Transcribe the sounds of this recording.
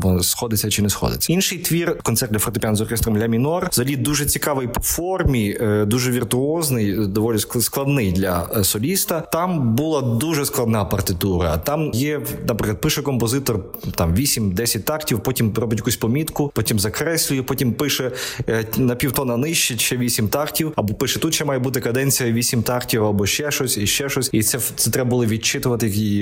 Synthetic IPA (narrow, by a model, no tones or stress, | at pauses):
bɔsxɔd̪ɪt͡sʲːɐt͡ʃɪnɛsxɔ̰d̪ɪ̰t͡sʲːɐinʃɪjt̪ʋʲirkɔnt̪ɛrt̪dlʲɐfɔɾrt̪ɪpʲjanzɔrkʲɛst̪ɾɔmlʲɐmʲinɔrzɐlʲid̪uʒɛt͡sʲikɑʋɪjpɔfɔrmʲid̪uʒɛʋʲirt̪ʊɔznɪjd̪ɔʋɔlʲissklˠɐd̪nɪjd̪lʲɐsɔlʲist̪ɐt̪ɑmbulˠɑd̪uʒɛsklˠɐd̪nɑpɐrt̪ɪt̪uɾɐt̪ɑmjɛnɐpɾɪklɐd̪̚pɪʃɛkɔmpɔzɪt̪ɔr | t̪ɑmʋʲisʲimʲd̪ɛsʲɐt̚ʲt̪ɑktʲiwpɔtʲimrɔbʲɪtʲjɐkusʲpɔmʲit̪kʊpɔtʲimzɐkɾɛsʲlʲʊjɛpɔtʲimpɪʃɛ | nɐpʲiwt̪ɔnɐnɪʃt͡ʃɪʃɛʋʲisʲimt̪ɑrtʲiwɐbɔpɪʃɛt̪ut̪ʃɛmɑjɛbut̪ɪkɐd̪ɛnʲt͡sʲijɐʋʲisʲimt̪ɑrtʲiwɐbɔʃt͡ʃɛʃɔsʲiʃt͡ʃɛʃɔsʲit̪sɛt̪sɛt̪ɾɛbɐbʊlˠɪʋʲit͡ʃɪt̪ʊʋɐt̪ɪjɐki